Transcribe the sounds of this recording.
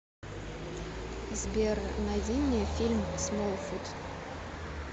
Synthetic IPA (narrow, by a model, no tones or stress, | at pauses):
zbʲernavʲinʲːefʲilʲmsmolˠfut̪